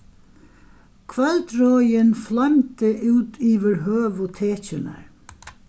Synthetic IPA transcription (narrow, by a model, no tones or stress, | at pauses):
kʰvɛlt̪ɾɔːjɪnflamt̪ɪʔʉːt̪iːʋɪɾɦøːʋʊt̪ʰeːt͡ʃɪna̰ɹ